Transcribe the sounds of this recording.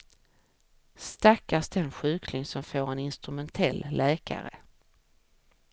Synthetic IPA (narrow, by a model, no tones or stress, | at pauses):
st̪akːasd̪ɛnɧʉ̟ːkʰlɪŋsɔmfoːɾɛnɪnst̪ɾɵmɛnt̪ʰɛlːlɛːka̰ɾə̰